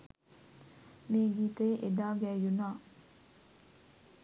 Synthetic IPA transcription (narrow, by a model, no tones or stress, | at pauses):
meːɡiːt̪əjʔed̪aːɡɛːjunaː